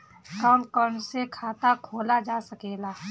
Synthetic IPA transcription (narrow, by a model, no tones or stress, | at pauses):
kaːnkɔːɾnsekʰaːt̪akʰoːlad͡ʒaːsəkeːlaː